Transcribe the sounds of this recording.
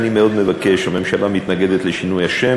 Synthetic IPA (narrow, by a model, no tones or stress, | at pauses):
nimeo̞d̪mevakeʃomemʃealamit̪naɡe̞d̪et̪leʃinujaʃem